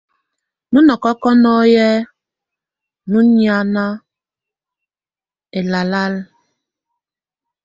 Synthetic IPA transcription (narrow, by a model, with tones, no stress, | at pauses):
nu˦nɔ˨kɔ˦kɔ˦nɔ˦jɛ˦ | nu˦nja˦na˦ | e˨la˨la˦l